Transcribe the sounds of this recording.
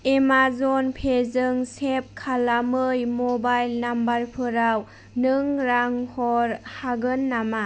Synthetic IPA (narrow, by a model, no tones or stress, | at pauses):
emazɔnpʰezɯŋsep̚kʰalamɯjmɔbajlnambarpʰɯɾaw | nɯŋɾaŋhɔɾhaɡɯnːama